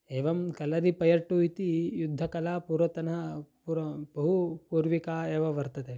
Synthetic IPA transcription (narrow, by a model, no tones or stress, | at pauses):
eːʋɐmkɐlɐɾipɐjɐɾʈuːit̪ijud̪ʱːɐkɐlaːpuːɾʋɐt̪ɐnɐpuɾɐbɐɦupuːɾʋikaːeːʋɐʋɐɾt̪ɐt̪eː